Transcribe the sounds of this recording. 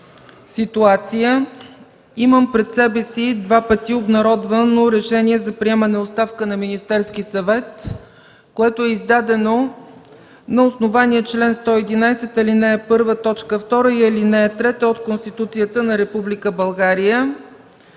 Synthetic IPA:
sit̪uat̪sijə | iməmpɾɛt̪sɛbɛsid̪vapət̪iobnɐɾɔd̪vənoɾɛʃɛniɛzɐpɾiɛmənɛotst̪afkənɐminist̪ɛɾsk̟isɐvɛt̪ | koɛt̪oɛizd̪ad̪ɛno | nɐosnovaniɛt͡ʃlɛnst̪ɔɛd̪inajsɛt̪ɐlinɛɛpɤɾvət̪ɔt͡ʃkəft̪ɔɾəilinɛːt̪ɾɛt̪əot̪konst̪it̪ut̪sijət̪ənɐɾɛpublikəbɐlˠɡaɾijə

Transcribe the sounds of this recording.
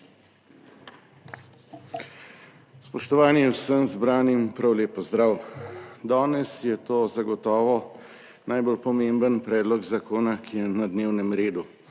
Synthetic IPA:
spɔʃt̪ɔʋaːniɛwsəmzbɾaːnimpɾawleːpɔzd̪ɾawd̪aːnɛsjɛt̪oːzaɡɔt̪ɔːʋɔ | najbolpɔmembənpɾɛːd̪lɔɡzakoːnakʰijɛnad̪neːwnɛmɾeːd̪u

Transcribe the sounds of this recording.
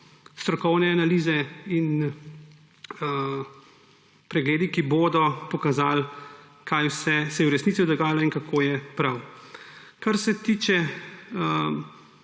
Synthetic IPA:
st̪ɾɔkɔwnɛanaliːzɛin | pɾɛɡleːd̪ikiboːd̪ɔpɔkazaːl | kʰaːjwsɛsɛjɛwɾɛsnisid̪ɔɡaːjalɔinkakʰoːjɛpɾaw | kaɾsɛt̪iːt͡ʃɛə

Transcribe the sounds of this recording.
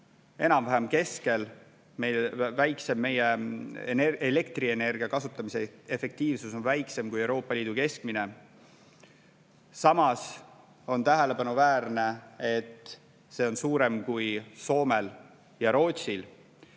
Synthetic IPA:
e̞nɑmvæɦemke̞ske̞l | me̞jvæjkse̞mːe̞jeneele̞kt̪rie̞ne̞rɡ̥iɑkɑsut̪ːˑɑmiseefe̞k̚t̪iːvsuso̞nvæjkse̞mkujewɾo̞ːpːˑɑlʲiːd̪̥uke̞sk̚mine̞ | sɑmɑs | o̞nt̪æɦele̞pɑnuvæːɾne̞et̪ː | se̞ːo̞nsuːɾe̞mkujso̞ːme̞l | jɑɾo̞ːt̪ʲsil

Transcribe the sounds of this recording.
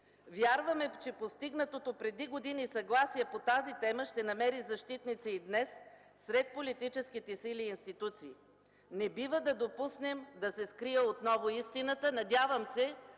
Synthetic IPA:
vʲjaɾvəmɛt͡ʃɛpost̪iɡnət̪ot̪opɾɛd̪iɡod̪inisɐɡlˠasiɛpot̪azit̪ɛməʃt̪ɛnɐmɛɾizɐʃt̪it̪nit̪siid̪nɛsː | ɾɛt̪̚polit̪it͡ʃɛsk̟it̪ɛsiliːnst̪it̪ut̪siː | nɛbivəd̪ɐd̪opusnɛmd̪ɐsɛskɾiəot̪nɔvoist̪inət̪ənɐd̪javəmsɛ

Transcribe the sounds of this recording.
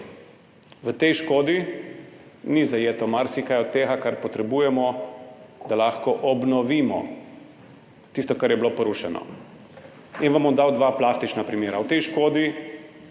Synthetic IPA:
ʋət̪ɛjʃkoːd̪i | nizajeːt̪ɔmaɾsikajɔt̪̚t̪ːeːɣakaɾpɔt̪ɾɛbuːjɛmɔ | d̪alaxkɔʔɔbnɔʋiːmɔ̰ | t̪ist̪ɔkaɾjɛbilopɔɾuʃɛnɔ̰ | inʋamɔd̪awd̪ʋaplast̪it͡ʃnapɾimjeːɾawt̪ɛjʃkoːd̪i

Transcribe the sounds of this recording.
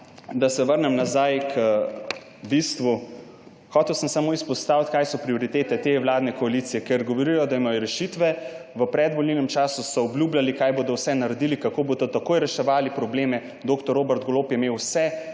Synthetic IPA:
d̪asɛʋəɾnɛmnazajkʰə | bist̪ʋu | xɔːt̪ɛwsəmsamoːispɔst̪aːwt̪kaːjsɔpɾioɾit̪eːt̪ɛt̪ewlaːd̪nɛkɔalit̪sijɛkɛɾɡɔʋoɾijɔd̪aimajɔɾɛʃit̪ʋɛʋəpɾɛd̪bɔlninɛmt͡ʃaːsusɔːbljuːblʲalikajboːd̪ɔwsɛnaɾɛd̪ilikakoːbod̪ɔt̪akoːjɾɛʃɛʋaːlipɾɔbleːmɛ | d̪oːkt̪ɔɾoːbɛɾt̪̚ɡoloːpjɛmeːwsɛ

